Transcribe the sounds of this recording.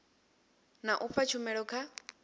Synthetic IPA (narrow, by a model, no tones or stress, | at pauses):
naʔufat͡ʃʰumɛɺɔkʰa